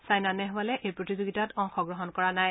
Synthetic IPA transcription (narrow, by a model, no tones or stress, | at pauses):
sajnanɛɦalɛʔejpɹotizoɡitatɔŋxɔɡɹɔɦɔnkɔɹanaj